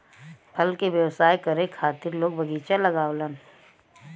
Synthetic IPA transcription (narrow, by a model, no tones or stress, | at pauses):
pʰɐlkeʋjəwsaːjkɐɾẽkʰaːt̪ɪɾloːɡ̚bʱɐɡiːt͡ʃalɐɡaːʋlən